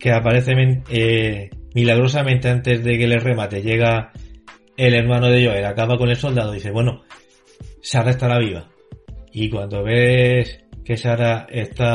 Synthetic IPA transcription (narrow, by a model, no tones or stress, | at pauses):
ke̞apaɾe̞θemenemilaɣ̞ɾo̞samẽnt̪eant̪e̞zðe̞ke̞lere̞mat̪e̞ʝe̞ɣ̞a | e̞le̞ɾmãnoðe̞ʝo̞elakaβako̞ne̞lso̞ld̪aðoðiθeβwe̞no | saɾaest̪aɾaβiβa̰ | ikwand̪o̞βe̞ske̞saɾaest̪a